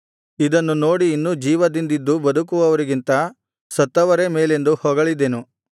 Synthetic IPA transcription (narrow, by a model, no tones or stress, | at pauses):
id̪ɐnːuno̞ːɽiːnːuːd͡ʒiːʋɐd̪ind̪id̪ːubɐd̪ukuʋɐʋɐɾiɡint̪ɐ | sɐt̪ːɐʋɐɾe̞meːle̞nd̪uhɔːɡɐɭid̪enu